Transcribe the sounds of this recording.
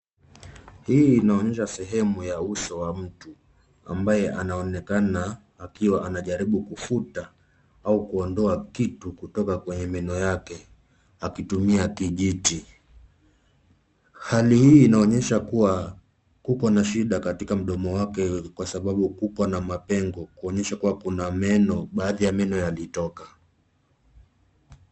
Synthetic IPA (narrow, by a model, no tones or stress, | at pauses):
hiːnaɔɲɛʃasɛɦɛmujausɔwam̩tu | a̰mbajɛʔanaɔnɛkanaː | kiwaʔanaʄaɾiɓukufuta | aukuɔndɔakitukutɔkakwɛɲɛmɛnɔjakɛ | akitumiakiʄiti | halihiːnaɔɲɛʃakuwa | kukwanaʃiɗakatikam̩ɗɔmɔwakɛkwasaɓaɓukupwanamapɛŋɡɔkuɔɲɛʃakuwakunamɛnɔɓaːðijamɛnɔjalitɔka